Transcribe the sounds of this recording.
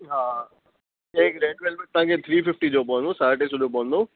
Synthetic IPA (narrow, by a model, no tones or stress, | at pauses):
ɦaː | eːkɾeːɖʋelmẽt̪ɐãːkʰet̪ʰɾiːfɪfʈid͡ʑoːpɔ̃ːnd̪osaːɾʈesʊloːp̬ɔ̃nd̪o